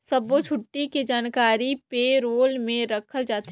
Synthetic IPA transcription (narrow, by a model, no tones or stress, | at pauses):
sɐbot͡ʃʰʊʈːiked͡ʒaːnkaːɾipeɾoːlmẽɾɐkʰəld͡ʒaːt̪